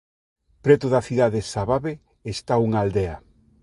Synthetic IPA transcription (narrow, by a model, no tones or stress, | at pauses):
pɾɛt̪ʊðɐθiðaðesaβaβe | est̪auŋaːld̪eɐ